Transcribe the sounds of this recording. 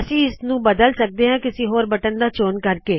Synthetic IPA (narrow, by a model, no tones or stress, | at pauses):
əsĩːɪsnũːbəd̪əlsək̚d̪eːɦɛ̃ːkɪsĩːɦoːɾbəʈənd̪aːt͡ʃoːnkəɾkeː